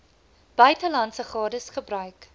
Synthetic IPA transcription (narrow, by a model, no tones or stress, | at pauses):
b̥œɥtəlɐntsəχɑːdəsχəbrœɥk